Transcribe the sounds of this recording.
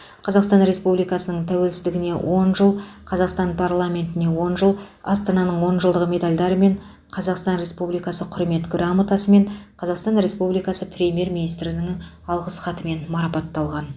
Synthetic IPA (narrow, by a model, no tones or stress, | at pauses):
qʰɑzɑqst̪ɑnɾʲe̞spublijkɑsənəɴt̪ʰæwe̞lsɪzd̪ɪɡʲɪne̞wʔo̞nʒəlˠ | qʰɑzɑqst̪ɑnpʰɑɾlˠamʲe̞nt̪ɪne̞wo̞nʒəlˠɑst̪ɑnɑnəɴwo̞nʒəlˠd̪əʁəmʲe̞d̪alʲd̪ɑɾəme̞ɴ | qʰɑzɑqst̪ɑnɾe̞spublijkɑsəqʰʊɾme̞t̪ɡɾamut̪ɑsəme̞ɴqʰɑzɑqst̪ɑnɾe̞spublijkɑsəprʲe̞mʲije̞ɾminijst̪ɾɪnɪŋ | ɑlˠʁəsχɑt̪əme̞nmɑɾɑpɑt̪ːɑlˠʁɑn